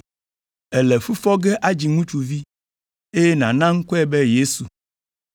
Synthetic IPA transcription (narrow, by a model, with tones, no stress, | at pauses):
ɛ˨lɛ˨fu˦fɔ˦ɡɛ˦ʔa˦d͡ʑi˨ŋũ˦t͡ʃu˨vi˦ | e˦je˦nã̰˨nã˦ŋ̩˦kɔ˦ɛ˦bɛ˦je˦su˨